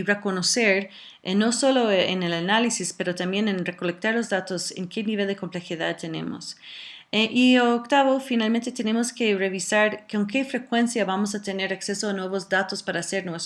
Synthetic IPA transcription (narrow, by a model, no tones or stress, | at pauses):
rekonoseɾ | no̞so̞loḛnelanalisispe̞ɾot̪ambje̞nenrekolek̚t̪aɾlozðat̪osḛŋkeniβe̞ld̪eko̞mple̞xiða̰ðt̪ene̞̰mo̰s | eʔiookt̪aβofinalmẽnt̪et̪ene̞moskereβisaɾkoŋke̞fɾe̞kwe̞nsjaβamos̬at̪e̞ne̞ɾaksesoanwe̞βozðat̪ospaɾaːseɾnwes